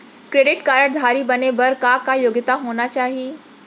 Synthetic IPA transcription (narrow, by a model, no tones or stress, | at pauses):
kɾeɖɪʈkaɾəʈd̪ʱaɾiːbənebəɾkakajoɡət̪aɦonat͡ɕaːɦi